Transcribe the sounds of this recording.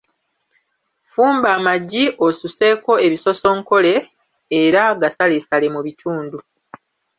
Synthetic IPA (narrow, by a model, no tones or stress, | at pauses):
fuːmbaːmaɟːiʔo̞suse̞ko̞e̞βiso̞so̞ŋko̞le̞ː | ɾaɡasalesale̞muβitʰuːndu